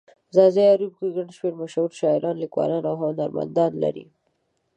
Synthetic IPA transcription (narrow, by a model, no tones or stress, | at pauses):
zɑzeaɾubkiɡaɳʃmeɽmaʃauɾʃɑɪɾɑnlikwɑ̰lɑnawɦʊʊnaɾma̰nd̪ɑnla̰ɾḭ